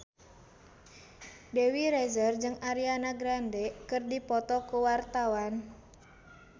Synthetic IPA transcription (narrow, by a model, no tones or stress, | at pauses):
dewiɾɛzərd͡ʒɨŋaɾianaɡɾandɛkɨrdipɔt̪ɔkuwart̪awan